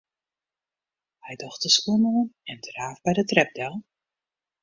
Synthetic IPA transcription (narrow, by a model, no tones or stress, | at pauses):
hɛjdɔχtəskunoənɛndraːfbɛjdətrɛp̚dɛlˠ